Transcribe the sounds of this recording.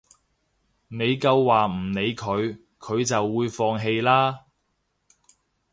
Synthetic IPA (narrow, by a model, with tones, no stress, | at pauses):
ne˨˧jkɐ˧wːaː˨˩m̩˨˩ne˨˧jkʰɵ˨˧ɥ | kʰɵ˨˧ɥt͡sɐ˨wːuː˨˧jfɔː˧ŋɦe˧jlaː˥